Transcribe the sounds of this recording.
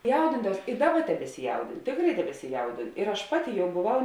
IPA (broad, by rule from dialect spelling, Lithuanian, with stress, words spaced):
ˈjɛʊdʲɪndɐʋɐʊs ɪ ˈdɑːˌbɐ tʲɛbʲɛsʲɪˈjɛʊdʲɪnʊ ˈtʲeːkˌrɐɪ tʲɛbʲɛsʲɪˈjɛʊdʲɪnʊ ɪr ɐʃ ˈpɑːˌtʲɪ ˈjɛʊ boːˈʋɐʊ